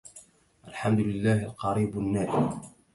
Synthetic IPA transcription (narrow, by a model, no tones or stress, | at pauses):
ʔalħamd̪ʊlɪlːaːhalqɑɾiːbanːaːɾi